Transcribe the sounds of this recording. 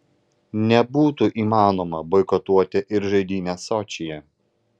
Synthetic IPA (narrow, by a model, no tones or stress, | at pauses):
nʲɛbuːt̪uʔiːmɑːnoːmɐbɔɪkɔt̪uɔt̪ʲɛʔɪɾʒɐɪd̪ʲiːnʲɛsɔt͡ʃʲɪjɛ